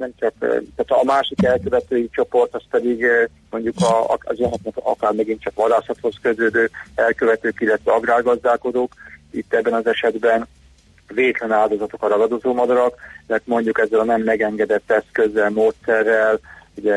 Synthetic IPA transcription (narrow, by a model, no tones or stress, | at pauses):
nɛmt͡ʃɒkt̪aːt̪maːʃikɛlkøvɛt̪øːjit͡ʃo̞po̞rt̪ɒspɛd̪iɡ | mo̞ɲɟukɒ̰ɒ̰zɛnɛknɛkɒ̰kaːrmɛɡint̪t͡ʃɒkʋɒd̪aːsɒt̪ho̞skøzøːd̪øːɛlkø̞vɛt̪øːkilːɛt̪ʋɛɒɡraːrɡɒzd̪aːlko̞d̪oːkit̪ːɛbːɛnɒzɛʃɛd̪bɛn | veːt̪lɛnaːld̪o̞zɒt̪okɒɾɒɡɒd̪ozoːmɒd̪ɒɾɒkmɛrt̪mo̞ɲɟukɛzːɛlɒnɛmːɛɡɛŋɡɛd̪ɛt̪ːɛskø̞zːɛlmoːt̪sɛrːɛluɟɛ